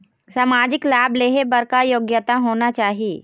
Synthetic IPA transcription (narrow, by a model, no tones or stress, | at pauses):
samaːd͡ʒɪklaːbleːɦebəɾkajoːɡjət̪aɦoːnat͡ʃaːɦie